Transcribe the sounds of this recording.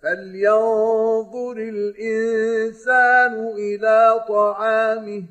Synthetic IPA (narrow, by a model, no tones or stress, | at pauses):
faljɑnðˤʊɾɪlʔɪnsaːnʊʔɪlaːt̪ˤɑʕɑːmɪh